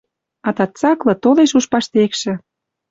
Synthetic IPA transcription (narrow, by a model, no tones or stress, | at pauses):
ɑt̪ɑt̪t͡sɑklɤ̆t̪oleʃuʃpɑʃt̪ekʃɘ̆